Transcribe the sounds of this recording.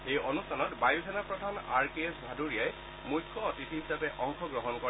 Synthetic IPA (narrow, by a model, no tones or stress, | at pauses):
ejɔnustʰanɔtbajusʰɛnapɹɔdʱana̰ɹkesbʱaduɹiaj | mujkʰːɔɔtitʰiɦisapɛʔɔŋkʰɔɡɹɔɦɔnkɔ